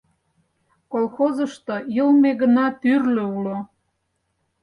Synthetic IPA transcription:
kolˠxozə̆ʃt̪ojəlmeɣənɑt̪yrløulo

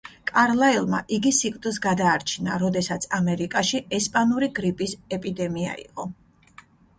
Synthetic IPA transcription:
kʼaɾlˠailˠma̰ʔiɡisikʼd̪s̬ɡad̪aːɾt͡ʃʰina̰ɾɔd̪ɛsat̪sʰamɛɾikʼaʃiɛspʼanuɾiɡɾipʼisɛpʼid̪ɛmia̰ḭqʼɔ

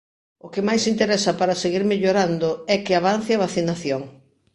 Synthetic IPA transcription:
ʊkɪmajsint̪eɾɛsɐpaɾɐseɣiɾmeʎoɾand̪oɛkɪaβ̞an̟θeaβaθinaθjoŋ

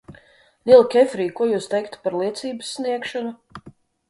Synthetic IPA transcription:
lʲiɛlˠkʲɛfɾiːkuɔjuːst̪ɛjkt̪paɾlˠiɛt̪siːbɨsːniɛkʃɔnu

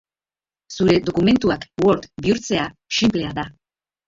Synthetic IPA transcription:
suɾe̞ðo̞kume̞nt̪uakwo̞ɾt̪biuɾt͡se̞aʃimple̞aða

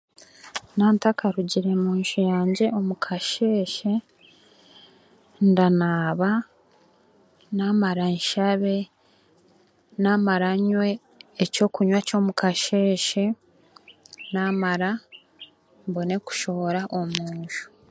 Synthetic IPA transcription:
naːntakʰaɾuɟiɾe̞muːnʃijaːɲɟe̞o̞mukʰaʃe̞ːʃe̞ | ndanaːβa | naːmaɾanʃaβe̞ | namaɾaɲwe̞ː | co̞ːkuɲwaco̞ːmukʰaʃe̞ːʃe̞ | naːmaɾa | mbo̞ne̞ku̥ʃo̞βoɾaʔomuːɲʃu̥

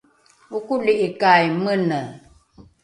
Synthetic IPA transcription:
ukuliʔikajmənə

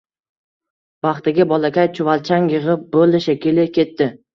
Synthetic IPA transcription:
bɑχt̪ɪɡʲabɒlakʲajt͡ʃʰʊvalt͡ʃʰaŋjɨʁɨp̚bolɪʃakʲilɪkʲe̞t̪ːɪ

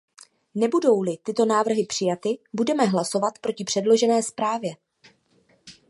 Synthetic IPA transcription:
nɛbudo̞wlɪt̪ɪt̪o̞naːvr̩ɦɪpr̥ɪjat̪ɪbudɛmɛɦlaso̞vat̪pɾo̞cɪpr̥ɛdlo̞ʒɛnɛːspɾaːvjɛ

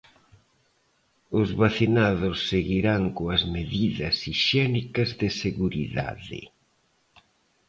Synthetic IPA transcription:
ʊzβaθinaðʊsːeɣiɾaŋkoɐzmeðiðɐsiʃɛnikɐzðɪseɣuɾḭða̰ðɪ̰

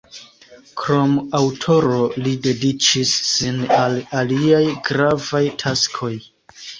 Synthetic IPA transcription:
kɾo̞mawtʰo̞ɾo̞lide̞dit͡ʃisːinalaliajɡɾavajtʰaskʰo̞j

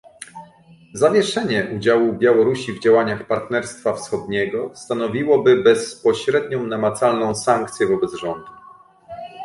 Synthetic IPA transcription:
zavʲjɛʂɛɲɛʔud͡ʑawubʲjawɔɾuɕivd͡ʑawaɲaxpaɾt̪nɛɾst̪fafsxɔd̪ɲɛɡɔst̪anɔvʲiwɔbɘbɛspɔɕɾɛd̪ɲɔ̃w̃namat̪salnɔ̃w̃saŋk̚t̪sʲjɛvɔbɛd̪zʐɔnd̪u

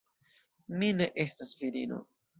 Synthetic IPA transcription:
mine̞ʔe̞stasviɾino̞̰

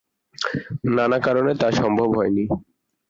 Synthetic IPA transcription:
nanakaɾonet̪aʃɔmbʱobɦɔeni

